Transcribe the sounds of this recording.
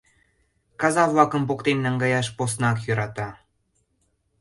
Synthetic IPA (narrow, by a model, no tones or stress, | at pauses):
kɑzɑβlɑkəmpokt̪emnɑŋɡɑjɑʃposnɑkjøɾɑt̪ɑ